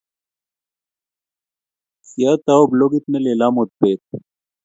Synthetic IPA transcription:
sjaːt̪aobloːɡit̪neleːlaːmot̪̚peːt̪̚

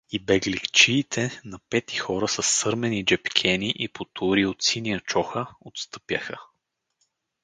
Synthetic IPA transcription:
ibɛɡlikt͡ʃiːt̪ʰɛnɐpɛt̪i̥xɔɾəsəsːɤɾmɛnid͡ʒɛpkʲʰɛniʔipʰot̪ʰʊɾiot̪siniət͡ʃɔxəot̪st̪ɤ̥pjə̰xə

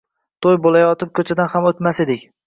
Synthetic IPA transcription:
t̪ʰojbolajɒt̪ʰɪp̚kʰɵt͡ʃʰad̪anhamot̪mase̞d̪ɪkʲ

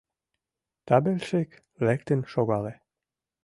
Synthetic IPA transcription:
t̪ɑbelʃek | lɛkt̪ənʃoɣɑle

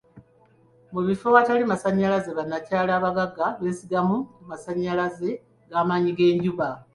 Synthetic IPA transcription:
muβifo̞βatalimasaɲːalazeβanːacaːlaːβaɡaɡaβesiɡamukumasaɲːalaze̞ | ɡaːmaɲiɡe̞ːɲɟuβa

